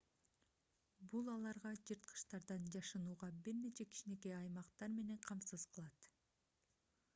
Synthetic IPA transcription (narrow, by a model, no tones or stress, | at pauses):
bulˠɑlˠɑɾʁɑd͡ʒɯɾt̪̚qʰɯ̥ʃt̪ɑɾd̪ɑnd͡ʒɑʃɯnuːʁɑbiɾne̞t͡ʃe̞kʰi̥ʃine̞ke̞ɑjmɑqt̪ɑɾme̞ne̞ɴqʰɑmsɯzqʰɯlˠɑt̪